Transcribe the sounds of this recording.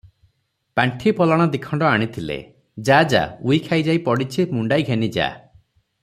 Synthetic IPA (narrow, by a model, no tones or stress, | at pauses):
paɳʈʰipɔlɔɽ̃ɔd̪ikʰɔɳɖɔaɽ̃it̪ʰilḛ | d͡ʒad͡ʒa̰uikʰajd͡ʒajpɔɽit͡ʃʰimuɳɖajɡʱenid͡ʒa̰